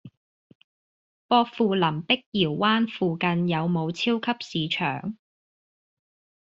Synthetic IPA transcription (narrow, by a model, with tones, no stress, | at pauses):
fɔː˧k̚fuː˨lɐ˨˩mpɪ˥k̚jiː˨˩wːaː˥nfuː˨kɐ˨˧njɐ˨˧wmo˨˧wt͡sʰiː˥wkʰɐ˥p̚siː˨˧t͡ʃʰœ̰ː˨˩ŋ